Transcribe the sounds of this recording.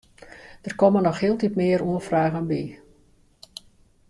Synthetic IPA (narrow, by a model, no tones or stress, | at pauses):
d̥ərkɔmənɔxhɪəlˠtitmɪːəruəfraːɣənbi